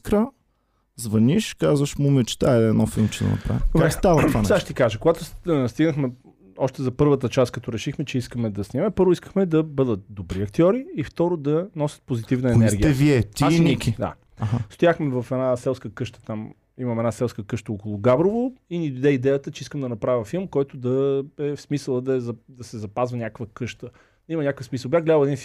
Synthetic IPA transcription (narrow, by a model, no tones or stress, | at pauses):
kɾə | zvɐniʃkazvəʃmumɛt͡ʃɛ̥t̪aɛɛːd̪nɔfilˠmt͡ʃɛd̪ɐ̰nɐ̰pɾa̰vivast̪avanaʃɛt̪ikaʒəkoɡat̪ʊst̪iɡnəxmɛ | ɔʃt̪ɛzɐpɤɾvət̪̬ət͡ʃast̪kɐt̪ɔɾɛʃixmɛt͡ʃɛiskəmɛd̪ɐsnimɛpɤɾvʊiskə̥xmɛd̪ɐbɤd̪ət̪̚d̪obɾiɐk̚t̪iɔɾiːft̪ɔɾod̪ɐnɔsʲət̪̚pozit̪ivnəɛnɛɾɡiəɛviɛt̪nikid̪a̰ | ast̪ʊjaxmɛvɐfɛnasɛlˠskəkɤʃt̪ə̥t̪am | imɐmɛnasɛlˠskəkɤʃt̪əokolˠoɡabɾovoinid̪od̪ɛid̪ɛjət̪ət͡ʃɛiskəmd̪ɐnɐpɾavʲjəfilˠmkɔjt̪ʊd̪ɐɛfsmisəlˠəd̪ɐɛzɐd̪ɐsɛzɐpazvənʲakvəkɤʃt̪ə | d̪ɐimənʲakəfsmisəlˠbʲjaxɡlʲad̪əlˠɛd̪inf